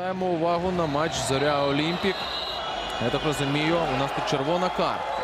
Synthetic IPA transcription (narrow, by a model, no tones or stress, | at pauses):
jemɔʊʋɑɦʊnɐmat͡ʃzɔɾʲaɔlʲimʲpʲik | jat̪akrɔzʊmʲijʊʊnɑst̪ut͡ʃerʋɔnɐkɑ̰rt̪ɐ